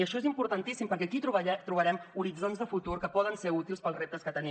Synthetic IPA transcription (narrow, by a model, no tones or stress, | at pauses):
iəʃɔezimpuɾt̪ənt̪isimpəɾkɛkit̪uβɛt̪ɾuβəɾɛmuɾid͡zonzðəfut̪uɾkəpɔðənseut̪ilˠspəlˠzrep̚t̪əskət̪əni